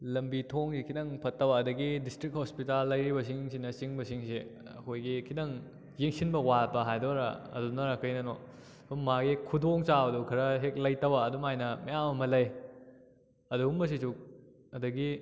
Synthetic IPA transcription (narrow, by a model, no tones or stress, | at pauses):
lɐmbitʰoŋsikʰidɐŋpʰɐtːɐbɐːdɐɡidistɾik̚hospitalːɐjɾibɐs̬iŋsinɐsiŋbɐsiŋsi | ɐ̰kʰojɡikʰidɐŋ | jeŋsinbɐwapɐɦajdoɾɐ̰ɐ̰dunɐɾɐkʰɐjnɐno | umaɡikʰudoŋt͡ʃabɐdukʰɐɾɐɦek̚lɐjtɐbɐːdumajnɐmijamɐmɐlɐj | ɐduumbɐs̬isuk̚ | ɐdɐɡi